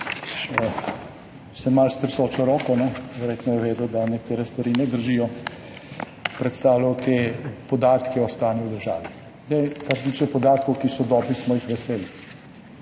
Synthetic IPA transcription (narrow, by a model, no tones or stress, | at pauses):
sɛmalst̪ɾisoːt͡ʃɔɾɔːkɔnɛʋɛɾjet̪nɔjɛʋeːd̪ud̪anɛk̚t̪eːɾɛst̪ʋaɾinɛd̪əɾʒijɔ | pɾɛt̪st̪aːwlaɔt̪epɔd̪aːt̪kɛɔst̪aːniwd̪əɾʒa̰ːʋi | zd̪ajkaɾset̪iːt͡ʃɛpɔd̪aːt̪̚kɔwkisɔd̪ɔːbɾismɔjixʋɛseːlji